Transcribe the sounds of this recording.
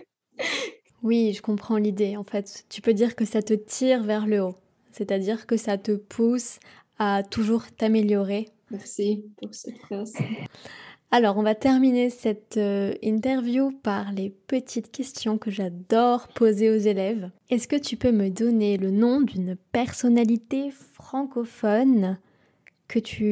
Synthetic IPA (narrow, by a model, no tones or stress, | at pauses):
wiʒəkɔ̃pχɑ̃lid̪eɑ̃fɛt̪ːypød̪iʁkəsat̪ət̪ʰiʁvɛʁləo | sɛt̪ad̪iʁkəsat̪əpʰus | at̪uʒuʁt̪ameljɔʁe | mɛʁsipuʁsɛt̪as | alɔʁɔ̃vat̪ɛʁminesɛt̪ĩt̪ɛʁvjupaʁlepət̪ʰit̪kʲɛst̪jɔ̃kəʒad̪ɔʁpozeozelɛvɛskət̪ypøməd̪ɔnelənɔ̃d̪ynpɛʁsɔnalit̪efχɑ̃kɔfɔn | kʰət̪ʰy